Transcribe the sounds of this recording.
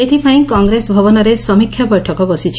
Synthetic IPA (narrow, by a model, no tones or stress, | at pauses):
et̪ʰipaĩkɔŋɡɾesbʱɔbɔnɔɾesɔmikʰːjabɔjʈʰɔkɔbɔsit͡ʃʰi̥